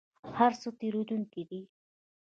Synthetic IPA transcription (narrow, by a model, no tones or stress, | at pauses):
haɾsot̪eɾod̪uŋkid̪i